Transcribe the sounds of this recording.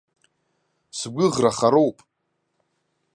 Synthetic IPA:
sɡʷʊʁraχaɾowpʼ

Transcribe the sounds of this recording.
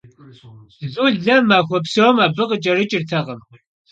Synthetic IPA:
zuːɮɐmaːxʷɔpsɐwmaːbɨqət͡ʃʼɐrɨt͡ʃʼɪrtʰɐʁəm

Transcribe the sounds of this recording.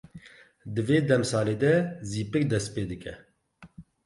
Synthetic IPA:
d̪ɨveːd̪ɛmsɑːleːd̪ɛziːpɨk̚d̪ɛst̪peːd̪ɨkʰɛ̰

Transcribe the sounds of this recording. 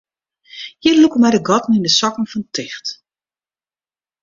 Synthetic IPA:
jɪlukəmɛjdəɡɔtn̩indəsɔkŋ̩fɔntʰɪxt

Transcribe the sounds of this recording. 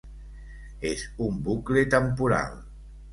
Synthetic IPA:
ezumbuklet̪əmpuɾa̰l

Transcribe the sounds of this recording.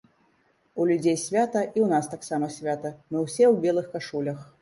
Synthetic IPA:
ulʲud͡zʲejsʲvʲat̪ɐʔiwnast̪aksamɐsʲvʲat̪ɐmɨwsʲɛwbʲɛlˠɨxkaʂulʲɐx

